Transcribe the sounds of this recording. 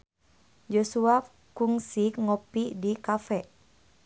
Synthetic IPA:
d͡ʒosua | kuŋsikŋɔpidikafɛ

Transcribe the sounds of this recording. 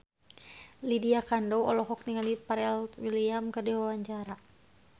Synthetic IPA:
lidiakandɔwɔlɔɦɔk̚niŋalipaɾɛlwiliamkərdiwawaɲt͡ʃaɾa

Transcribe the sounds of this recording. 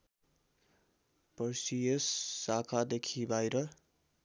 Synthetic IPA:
pʌrsijʌsːakʰad̪ekʰibajɾʌ

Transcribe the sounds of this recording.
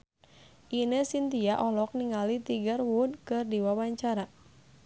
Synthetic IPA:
ʔinəsint̪iaʔɔlɔk̚niŋalit̪iɡərwudkɨrdiwawaɲt͡ʃaɾa

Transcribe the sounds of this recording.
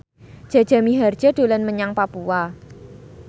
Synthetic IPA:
d͡ʒ̥a̤d͡ʒ̥a̤miɦard̥d͡ʒ̥ad̥o̤lanməɲaŋpapua

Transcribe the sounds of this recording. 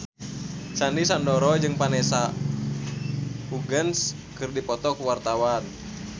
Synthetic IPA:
sandisandɔɾɔd͡ʒɨŋpanɛsa | uɡəns | kɨrdipɔt̪ɔkuwart̪awan

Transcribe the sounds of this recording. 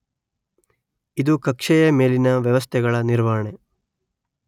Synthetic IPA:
id̪ukɐkʂɛjɐme̞ːlinɐʋjɐʋɐst̪ʰɛɡɐɭɐniɾʋaːɐɳe

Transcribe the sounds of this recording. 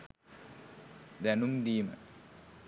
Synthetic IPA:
d̪ænumd̪iːmə

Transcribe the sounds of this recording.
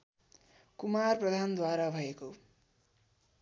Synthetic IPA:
kumarprʌd̪ʱand̪waɾabʱʌeko

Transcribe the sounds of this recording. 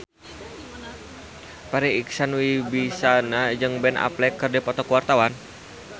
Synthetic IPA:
paɾiiksanwibisanad͡ʒɨŋbɛna̰plɛkːərdɛpɔt̪ɔkuwart̪awan

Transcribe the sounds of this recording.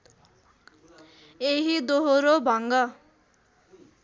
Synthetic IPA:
eɦid̪oɦoɾobʱʌŋɡʌ

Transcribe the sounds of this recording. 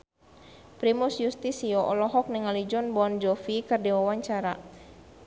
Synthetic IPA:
pɾimusjust̪isiɔʔɔlɔɦɔk̚niŋalid͡ʒɔnbɔnd͡ʒɔfikɨrdiwawaɲt͡ʃaɾa

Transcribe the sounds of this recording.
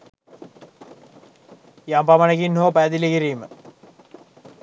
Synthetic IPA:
jampamɐnekinːoːpæd̪ilikiɾiːmə

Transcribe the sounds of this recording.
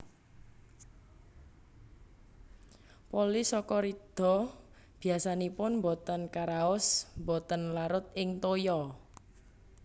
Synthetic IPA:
polisɔkɔɾid̪̥ɔ̤ | b̥i̤asanipʊnmbɔt̪ənkaɾaɔsmbɔt̪ənlaɾʊt̪̚ɪŋt̪ojɔ

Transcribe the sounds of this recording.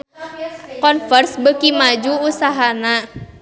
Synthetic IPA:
kɔnfərsbəkimad͡ʒuːsaɦana

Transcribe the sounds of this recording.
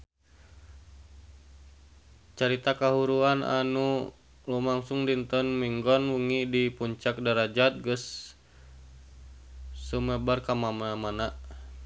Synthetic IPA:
t͡ʃaɾit̪akaɦuɾuana̰nu | lumaŋsuŋdint̪ɔnmiŋɡɔnwuŋidipuɲt͡ʃak̚daɾad͡ʒat̪̚ɡəs | uməbarkamamanamana

